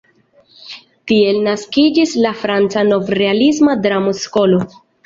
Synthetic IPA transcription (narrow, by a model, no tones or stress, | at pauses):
tie̞lnaskid͡ʒislafɾant͡sano̞vɾe̞alismadɾamosko̞lo